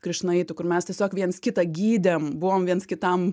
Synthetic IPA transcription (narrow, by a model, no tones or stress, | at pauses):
kɾʲɪʃnɐɪt̪ʊkʊrmʲɛstʲiɛsʲoːkʋʲiɛnskʲɪt̪ɐɡʲiːd̪ʲembʊʋomʋʲiɛnskʲɪt̪ɐm